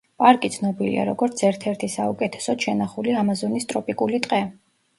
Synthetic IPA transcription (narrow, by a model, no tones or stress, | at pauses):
pʼaɾkʼit̪sʰnɔbilḭa̰ɾɔɡɔɾt̪sʰɛɾt̪ʰɛɾt̪ʰisaukʼɛt̪ʰɛ̥sɔʃɛnaχuliamazɔnist̪ʼɾɔpʼikʼulit̪ʼqʼɛ